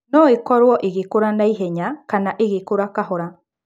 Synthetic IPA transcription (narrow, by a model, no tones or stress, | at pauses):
nɔekɔɾwɔʔeɣekoɾanaiɦɛɲakanaʔeɣekoɾakaɦoɾa